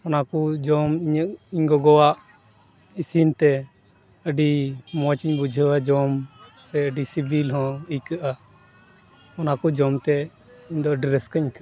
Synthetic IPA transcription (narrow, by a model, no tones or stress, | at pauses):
ɔnakud͡ʒɔmiɲəʔiɲɡɔɡɔwaʔ | isint̪ɛ | əɖimɔt͡ʃiɲbud͡ʒʱəwad͡ʒɔmsɛəɖisibilɦɔ̃əjkəʔa | ɔnakɔd͡ʒɔmt̪ɛ | iɲd̪ɔɖiɾɛskəɲka